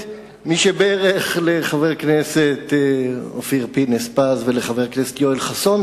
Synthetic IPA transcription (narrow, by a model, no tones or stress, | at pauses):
miʃebeeʁeχle̞χaveʁkneset̪ofiʁpinespasveleχaveʁkneset̪joilχason